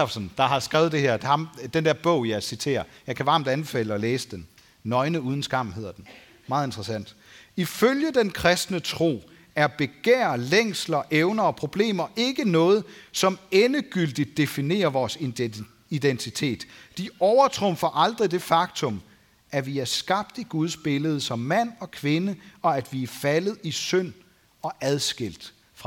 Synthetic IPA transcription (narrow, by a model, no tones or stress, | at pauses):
fsnd̥ɑ̈ɦɑ̈sɡ̥ʁɛːð̩ˠd̥e̝heɐ̰̥hɑmd̥end̥æɐ̰b̥ɔ̽ʊ̰jɑ̈ɪsit͡sʰe̝̰ːɐjɑ̈ɪkʰæʋɑ̈ːm̩d̥ænb̥e̝fɛ̰ːləɒ̽leːsəd̥enː | ɒ̽ɪnəuːð̞ˠn̩sɡ̥ɑ̈m̰n̩ɦe̝ð̰ˠɐd̥en | mɑ̈ːð̩ˠend̥ʁɐsæn̰d̥ | iføljəd̥enkʰʁɛsd̥nət͡sʰʁo̝̰ː | æɐb̥e̝ɡ̥ḛːɐleŋ̰slɐʔeʊnɐɒ̽pʰʁo̝b̥le̝̰ːmɐʔe̝ɡ̥ənɔ̽ːð̞̩ˠsɒ̽menəɡ̥yl̰d̥id̥̚ːe̝fine̝̰ːɐʋɒːs | id̥ent͡sʰit͡sʰe̝̰ːd̥ːiɒʊɐt͡sʰʁɔmfɐʔɑ̈ld̥ʁid̥e̝fɑ̈ɡ̥t͡sʰɔ̽m | ʔæʋiæɐsɡ̥ɑ̈b̥̚d̥iɡ̥uð̞ˠsb̥e̝ləð̞̩ˠsɒ̽mːæn̰ɒ̽kʰʋe̝nəɒ̽æd̥ʋiæfælð̞̩ˠisøn̰ | ɒ̽ʔæðˠsɡ̥el̰d̥ | fʁɑ